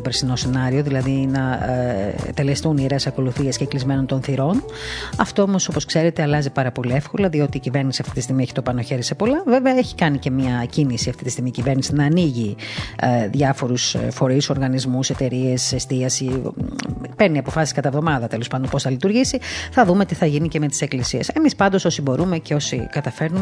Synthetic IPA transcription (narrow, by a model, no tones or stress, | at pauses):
peɾsino̞se̞nɐɾio̞ðilɐðinɐ̰ | t̪e̞lest̪uniɾesɐko̞luθiesceklizme̞no̞nt̪o̞nθiɾo̞n | ɐft̪o̞o̞mo̞so̞po̞skse̞ɾet̪e̞ɐlɐzipɐɾɐpo̞liefko̞lɐðio̞t̪iːcive̞ɾnisiɐft̪it̪ist̪iɣmieçi̥t̪opɐno̞çe̞ɾisepo̞lɐveveɐeçi̥kɐnice̞mɲɐcinisiɐft̪i̥t̪ist̪iɣmiːcive̞ɾnisinɐːniʝi | ðʝɐfo̞ɾusfo̞ɾiso̞ɾɣɐnizmuse̞t̪e̞ɾie̞sest̪iɐsi | peɾniɐpo̞fɐsi̥skɐt̪ɐevðo̞mɐðɐt̪elo̞spɐnd̪onpo̞sθɐlit̪uɾʝisiθɐðume̞t̪iθɐʝiniceme̞t̪i̥se̞klisiese̞mispɐnd̪o̞sosibo̞ɾume̞ce̞o̞sikɐt̪ɐfe̞ɾnume